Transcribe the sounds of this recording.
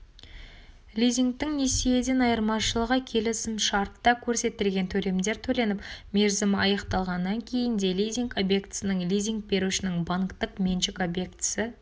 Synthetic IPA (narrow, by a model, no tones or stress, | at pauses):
lʲijzʲiŋk̚t̪ɪŋne̞sije̞d̪enɑjəɾmɑʃəlˠəʁəkʲʰe̞lɪsɪmʃɑɾt̪ːɑkʲʰɵɾse̞t̪ːɪlɡʲe̞nt̪ʰɵle̞md̪e̞ɾt̪ʰɵle̞nɪpmʲe̞ɾzɪmɪɑjɑqt̪ɑlˠʁɑnːɑŋkʲʰe̞jɪnd̪e̞lʲijzʲiŋko̞bje̞kt̪ɪ̥sɪnɪŋlʲijzʲiŋk̚be̞ɾuʃɪnɪŋbɑŋkt̪əqmʲe̞nʃɪko̞bje̞kt̪ɪ̥sɪ